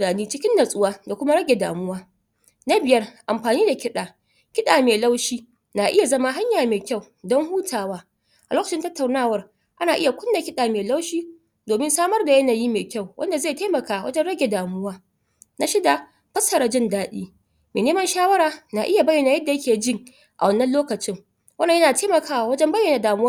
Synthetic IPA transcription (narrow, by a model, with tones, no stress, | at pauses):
aː˨niː˦t͡ʃɪ˦kʲɪ˦nːɐ˨sʼʊ˦waː˦da˨kʷʊ˦ma˦ɽɐ˦ɡʲe˨da̰ː˨mʊ˦waː˦ | na˦bɪ˨jɐ˦rʔa˨mɸaː˨niː˦da˨kʲɪ˦ɗaː˨ | kʲɪ˦ɗaː˨meː˨la˦wʃiː˦ | na˨ʔɪ˦ja˨zɐ˦ma˦ɦa˦ɲjaː˨meː˨kʲa˦˨w | dɔ˦ŋhuː˦tʰaː˨waː˦ | ʔa˨loː˦kɐ˨t͡ʃɪ˦ntɐ˦tːa˨wnaː˦˨wɐ˦r | ʔa˦naː˨ʔɪ˦ja˨kʷʊ˦nda˨kʲɪ˦ɗaː˨meː˨la˦wʃiː˦ | doː˨mɪ˦nsaː˦mɐ˦rda˨jɐ˦naː˨jiː˦meː˨kʲa˦˨wwʔɐ̰˦nda˨zeː˦˨teː˦mɐ˨kaː˨wɐ̰˦d͡ʒɛ˦nɽɐ˦ɡʲe˨daː˨mʊ˦waː˦ | na˦ʃɪ˦da˨ | ɸɐ˦sɐ˨ɾɐ˨d͡ʒɪ˦ndaː˦ɗḭː˦ | meː˨neː˦mɐ˦nʃaː˦wɐ˦ɾaː˨na˨ʔɪ˦ja˨bɐ˦jːɐ˨na˨jɐ˦dːa˨jɐ˦kʲeː˨d͡ʒɪ˦ŋ | ʔa˨wɐ˦nːɐ˦nloː˦kɐ˨t͡ʃɪ˦ŋ | wɐ˦nːa˨jɐ˦naː˨tʰeː˦mɐ˨kaː˦wa˨wɐ˦d͡ʒɛ˦mbɐ˦jːɐ˨na˨daː˨mʊ˦wa˦